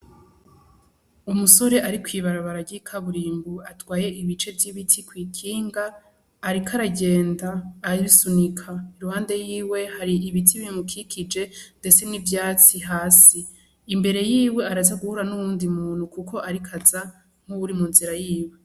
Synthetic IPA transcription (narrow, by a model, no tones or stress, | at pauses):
umuso̞ɾe̞ʔaɾikwiːβaɾaβaɾaɟikʰaβuɾiːmbuatwaːje̞ʔiβit͡ʃe̞vjiβitʰikwiːkʰiːŋɡaː | ɾikʰaɾaɟe̞ːndaːisunikʰaiɾuhaːnde̞jiːwe̞haɾiiβitʰiβimukʰikʰid͡ʒe̞nde̞t͡se̞nivjaːt͡siɦaːsiː | mbe̞ɾe̞jiːwe̞aɾazaɡuhuɾanuβuːndimuːn̥hukuko̞ʔaɾikʰaza | ŋ̥uβuɾimunziɾajiːwe̞